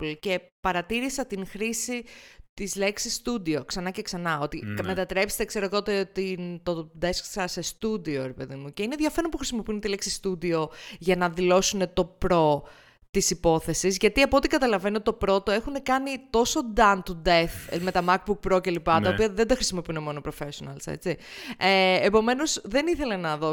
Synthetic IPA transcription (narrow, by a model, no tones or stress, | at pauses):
plce̞pɐɾɐt̪iɾisɐt̪iŋxɾisit̪izle̞ksisːt̪ud̪io̞ksɐnɐceksɐnɐo̞t̪ime̞t̪ɐt̪ɾe̞psi̥t̪ekse̞ɾo̞t̪ot̪et̪int̪od̪e̞sksɐsest̪ud̪io̞ɾepe̞ðimuce̞ine̞ðʝɐfeɾonpuxɾisimo̞piunet̪ile̞ksist̪ud̪io̞ʝɐnɐðilo̞sune̞t̪o̞pɾo̞ | t̪isipo̞θe̞sizʝɐt̪iɐpot̪ikɐt̪ɐlɐve̞niot̪t̪opɾo̞t̪o̞e̞xune̞kɐnit̪o̞so̞d̪ɐnt̪ud̪eθme̞t̪ɐmɐk̚buk̚pɾo̞ce̞lipɐt̪ɐopiɐðe̞nd̪ɐxɾisimo̞piune̞mo̞nopɾo̞fe̞sionɐ̰lse̞̰t͡sieeːpo̞me̞no̞zðe̞niθe̞le̞nɐðo